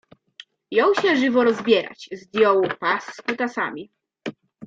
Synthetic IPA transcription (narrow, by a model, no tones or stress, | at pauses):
jɔ̃w̃ɕɛʐɘvɔɾɔzbʲjɛɾa̰t͡ɕzd̪ʲjɔwupaskut̪asa̰mʲi